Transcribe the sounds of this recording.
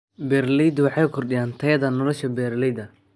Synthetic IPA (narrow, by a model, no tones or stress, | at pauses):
bɛrlijd̪wɑħɑjʊkʰɔrɗɪjaːnt̪ʰɐjɐðɐnɔlɔʃɐbɛːɾlijd̪ɐ